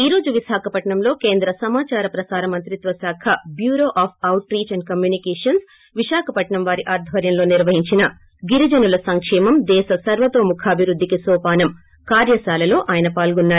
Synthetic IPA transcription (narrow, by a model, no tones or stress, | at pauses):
iːɾo̞ːd͡ʒuʋiʃaːkʰɐpɐʈɳɐmlo̞ːke̞ːnd̪ɾɐsɐmaːt͡ʃaːɾɐpɾɐsaːɾɐmɐnt̪ɾit̪ʋɐsaːkʰɐbjuːɾoːʔaːpʰɐwʈɾiːt͡ʃɐɳɖ̚kɐmjuːnikɛːʂɐns | ʋiʃaːkʰɐpɐʈɳɐmʋaːɾiʔaːɾd̪ʱʋɐɾjɐmlo̞ːniɾʋɐɦiɲt͡ʃinɐ | ɡiɾid͡ʒɐnulɐsɐŋkʂɛːmɐmd̪ɛːʃɐsɐɾʋɐt̪oːmukʰaːbʱiʋɾud̪ʱːikisɔːpaːnɐm | kaːɾjɐsaːlɐlo̞ːʔaːjɐnɐpaːlɡunːaːɾu